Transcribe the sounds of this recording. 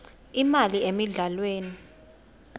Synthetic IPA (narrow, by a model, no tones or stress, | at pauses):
imaliemiɮalweːni